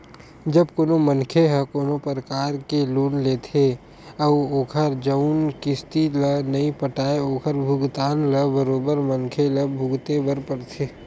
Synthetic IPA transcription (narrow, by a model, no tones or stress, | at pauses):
d͡ʒɐbkoːnomənkʰeɦəkoːnopəɾəkaːɾkeluːnleːt̪ʰe | ɐʋoːkʰəɾd͡ʒəʊnkɪst̪ilənɐĩpəʈaːeoːkʰəɾbʱʊɡt̪aːnləbəɾoːbəɾmɐnkʰeləbʱʊɡt̪ebəɾpəɽt̪ʰeː